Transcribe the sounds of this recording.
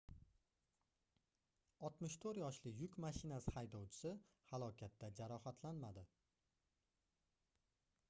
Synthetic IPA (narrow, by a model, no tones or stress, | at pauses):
ɒt̪mɪʃt̪ʰoɾjɒʃlɪjʊkʲmaʃɪnashajd̪ɒwt͡ʃʰɪ̥sɪ | halˠɒkʲʰat̪ːad͡ʒaɾɒhat̪ʰlanmad̪ɪ